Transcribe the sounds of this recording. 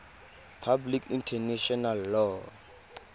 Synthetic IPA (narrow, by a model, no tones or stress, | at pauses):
pʰablikʰintʰɛnɛʃɔnalːɔː